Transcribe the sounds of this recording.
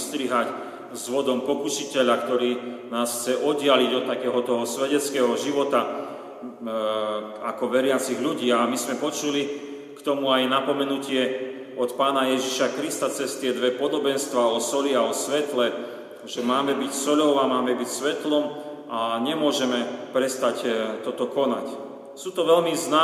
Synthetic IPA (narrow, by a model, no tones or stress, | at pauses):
st̪ɾiɦac | zʋɔd̪ɔmpɔkuʃicɛʎakt̪ɔɾiːnaːsxt͡sɛʔɔd̪dɪaliɟɔt̪ːakɛːɦɔt̪ɔɦɔsʋɛɟɛt͡skɛːɦɔʒiʋɔt̪a | akɔʋɛɾɪat͡siɣʎuɟiːamizmɛpɔt͡ʃuli | kt̪ɔmuajnapɔmɛnucɪɛ | ɔt̪paːnajɛʒiʃakɾist̪at͡sɛst̪ɪɛd̪ʋɛpɔd̪ɔbɛnst̪ʋaɔsɔliaɔsʋɛt̪lɛ | ʒɛmaːmɛbicsɔʎɔʊamaːmɛbicsʋɛt̪lɔm | ʔaɲɛmʊɔʒɛmɛpɾɛst̪act̪ɔt̪ɔkɔna̰c | suːt̪ɔʋɛlmiznaː